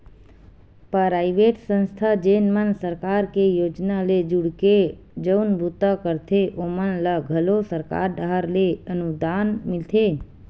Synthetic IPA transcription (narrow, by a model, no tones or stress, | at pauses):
pəɾajʋeʈsə̃nst̪ʰad͡ʒenmənsəɾkaɾkejod͡ʒnaled͡ʒuɽke | d͡ʒəwnbut̪akəɾt̪ʰeʔomənlaɡʱəlosəɾka̰ɾd̪aɦaɾleənud̪anmɪlt̪ʰe